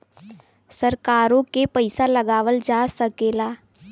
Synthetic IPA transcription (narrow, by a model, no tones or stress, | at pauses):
səɾkaːɾõkepəɪsaləɡaːʋəld͡ʒaːsəkeːlaː